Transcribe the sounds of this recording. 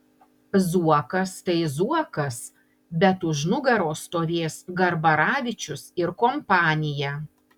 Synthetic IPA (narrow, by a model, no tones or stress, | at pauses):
zuɔkɐst̪ɐɪzuɔkɐs | bʲɛt̪ʊʃnʊɡɐɾoːst̪oːʋʲeːsɡɐɾbɐɾɑːʋʲɪt͡ʃʲʊsɪɾkɔmpɑːnʲɪjæː